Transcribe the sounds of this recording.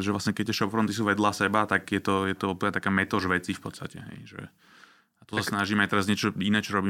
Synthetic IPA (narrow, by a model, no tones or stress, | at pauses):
ʒɛʋlasɲɛkɛt̪ːɛʃɔpfɾɔnt̪isuːʋɛd̪lasɛbat̪aɡjɛt̪ɔjɛt̪ɔɔplat̪akaːmɛt̪ɔʒʋɛt͡sifpɔt̪st̪acɛ̰ɦɛ̰jʒɛ̰ | at̪ɔsasnaʒiːmajt̪ɛɾazɲɛt͡ʃɔinɛːt͡ʃɔɾɔbiː